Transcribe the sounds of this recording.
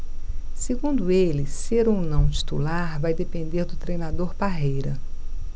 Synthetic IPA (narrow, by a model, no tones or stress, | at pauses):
seɡũnd̪ʊelɪseɾownɐ̃w̃t͡ʃi̥t̪ulaɾvajd̪epẽnd̪eɾd̪ʊt̪ɾejnad̪oɾpaɦejɾɐ